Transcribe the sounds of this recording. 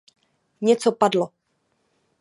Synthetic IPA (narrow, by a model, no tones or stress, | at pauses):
ɲɛt͡sopadlo